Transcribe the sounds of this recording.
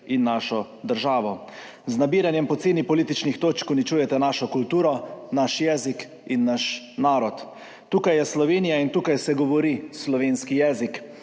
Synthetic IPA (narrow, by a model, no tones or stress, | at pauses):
inːaʃɔ | d̪əɾʒaːʋɔ | znabiːɾanjɛmpɔt̪seːnipɔliːt̪it͡ʃnixt̪oːt͡ʃkɔnit͡ʃuːjɛt̪ɛnaʃɔkult̪uːɾɔnaʃjɛːzik | inːaʃ | naːɾɔt̪ː | uːkajːɛslɔʋeːnijaint̪uːkajsɛɡɔʋɔɾislɔʋeːnskijɛːzik